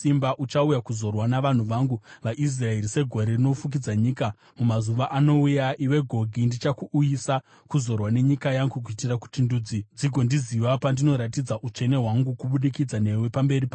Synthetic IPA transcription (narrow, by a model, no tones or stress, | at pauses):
imbaʔut͡ʃaujakuzo̞rwanaʋan̤uʋaŋɡuʋaʔis̬raeɾise̞ɡʱo̞ɾerino̞fuk̬id͡zaɲiːka | mumazuʋaʔano̞ujaʔiwe̞ɡʱo̞ɡʱindit͡ʃakuʔːjisa | kuzo̞rwane̞ɲikajaŋɡuk̬uitiraku̥tinduːd͡zid͡ziɡʱo̞ndiziʋapandino̞ɾatid͡zaʔut͡ʃe̞ne̞ɦwaŋɡukuɓuɗikid͡zane̞we̞pambe̞ripa